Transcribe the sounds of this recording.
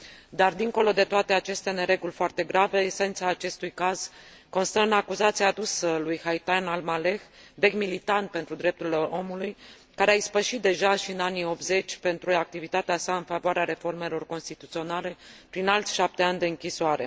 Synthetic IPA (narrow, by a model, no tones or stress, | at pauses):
d̪ard̪iŋko̞lo̞d̪e̞t̪oat̪e̞at͡ʃe̞st̪ane̞ɾe̞ɡulʲfoart̪e̞ɡɾave̞ːse̞nt̪saːt͡ʃe̞st̪ujkaz̥ | ko̞nst̪əɨnakuzat̪siaːd̪usəlujhajt̪ajnalmale̞xve̞ɡmilit̪ant̪̚pe̞nt̪ɾud̪ɾe̞p̚t̪uɾile̞ʔo̞muluj | kaɾeaispəʃit̪̚d̪e̞ʒaʃiɨnanio̞p̚t̪ze̞t͡ʃʲpe̞nt̪ɾuak̚t̪ivit̪at̪easaɨnfavoaɾeaɾe̞fo̞rme̞lo̞rko̞nst̪it̪ut̪sio̞nale̞pɾinalt̪sʲʃap̚t̪e̞anʲd̪e̞ɨŋkʲisoaɾe̞̰